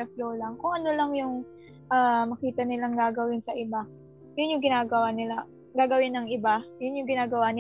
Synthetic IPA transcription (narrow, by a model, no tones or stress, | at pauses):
ɛfloːlɐŋkʊŋʔɐnolɐŋjʊŋ | ʔamɐkiːt̪ɐnɪlaŋɡaːɡɐwɪnsɐʔɪba | jʊnjʊŋɡɪnaːɡɐwaːnɪla | ɡaːɡɐwɪnːɐŋʔɪbajʊnjʊŋɡɪnaːɡɐwaːnɪ